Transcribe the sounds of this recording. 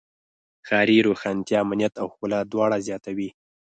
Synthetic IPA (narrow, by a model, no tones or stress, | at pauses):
xɑɾiɾoxɑnt̪jɑamnijat̪awxulad̪wɑɽazjɑt̪awi